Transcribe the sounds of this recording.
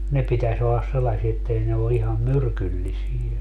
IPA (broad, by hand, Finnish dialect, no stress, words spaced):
ne pitæs olːɑs selːɑsie etːei ne o ihɑm myrkylːisijæ